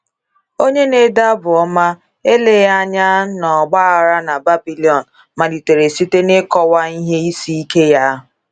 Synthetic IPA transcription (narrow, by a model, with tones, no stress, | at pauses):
o˦ɲe˦ne˨da˦bʊ˨ɔ˦ma˦ | e˦le˦ja˦ɲa˦nɔ˨ɡ͡ba˦a˨ɾa˦na˨ba˦bi˦li˨ɔ˨n̩˨ | ma˨di˨te˨ɾe˨si˦te˦ne˦kɔ˦wa˦i˦ɦe˦i˦si˦i˦ke˦ja˦